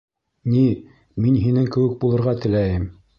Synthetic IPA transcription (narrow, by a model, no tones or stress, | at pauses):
ni | minɦinɘŋkɘ̆wɘk̚bulˠɤ̆ɾʁɑt̪ɘ̆læjɘm